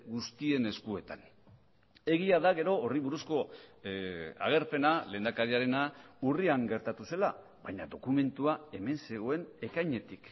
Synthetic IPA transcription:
ɣust̪ie̞ne̞skue̞t̪an | e̞ɣiaðaɣe̞ɾo̞ːriβuɾusko̞ | a̰ɣ̞e̞ɾpe̞nale̞ːnd̪akaɾiaɾe̞nauriaŋɡe̞ɾt̪at̪use̞la | βaɲaðo̞kume̞nt̪uae̞me̞nse̞ɣ̞o̞e̞ne̞kajɲe̞t̪ik

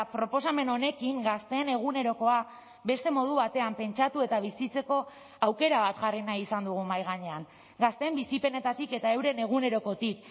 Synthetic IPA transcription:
pɾo̞po̞s̬ame̞no̞ne̞kiŋɡast̪e̞ːne̞ɣune̞ɾo̞ko̞a | be̞st̪e̞mo̞ð̞uβat̪e̞ampe̞nt͡ʃat̪ue̞t̪aβ̞isit͡se̞ko̞ | awke̞ɾaβat̪ʝarinajisand̪uɣ̞umajɣ̞aɲe̞aŋ | ɡast̪e̞mbisipe̞ne̞t̪at̪ike̞t̪aewɾe̞ne̞ɣ̞une̞ɾo̞ko̞t̪ik

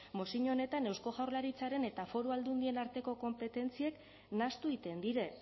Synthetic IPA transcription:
mo̞siɲone̞t̪ane̞wsko̞ɣawɾrlaɾit͡saɾe̞ne̞t̪afo̞ɾuald̪und̪ie̞naɾt̪e̞ko̞ko̞mpe̞t̪e̞nt͡sie̞k | nast̪uit̪e̞nd̪iɾe̞

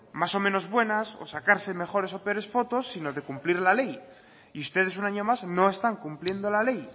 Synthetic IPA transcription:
maso̞mẽno̞zβwe̞naso̞̰sakaɾse̞me̞xo̞ɾe̞so̞peoɾe̞sfo̞t̪o̞sːino̞ðe̞kumpliɾlale̞j | iust̪e̞ðe̞s̬unaɲo̞mazno̞e̞st̪aŋkumplje̞nd̪o̞lale̞j

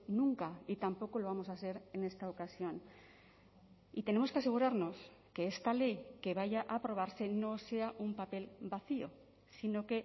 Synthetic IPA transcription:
nũŋkait̪ampo̞ko̞lo̞β̞amo̞sase̞ɾe̞ne̞st̪aokasjo̞n | it̪e̞ne̞mo̞skease̞ɣ̞uɾaɾno̞s | ke̞est̪ale̞jke̞βaʝaʔapɾo̞β̞aɾse̞no̞se̞aʔumpape̞lbaθio̞̰ | sino̞ke̞

